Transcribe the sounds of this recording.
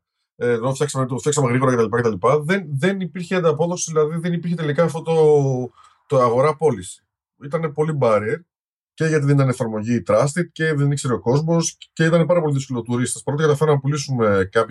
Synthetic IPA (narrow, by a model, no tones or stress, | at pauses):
eofçɐksɐmet̪fçɐksɐmeɣɾiɣo̞ɾɐcet̪ɐlipɐcet̪ɐlipɐðe̞nðenipiɾçeɐnd̪ɐpo̞ðo̞siðilɐðiðe̞nipiɾçet̪e̞likɐːfto̞t̪o | t̪oɐɣo̞ɾɐpo̞lisi̥ | it̪ɐnepo̞libɐɾieɾ | ce̞ʝɐt̪iðenit̪ɐnefɐɾmo̞ʝit̪ɾɐst̪it̪ce̞ðenikse̞ɾeo̞ko̞zmo̞sce̞it̪ɐnepɐɾɐp̬o̞liðisko̞lot̪uɾist̪espɐɾo̞t̪ekɐt̪ɐfeɾnnnɐpulisume̞kɐp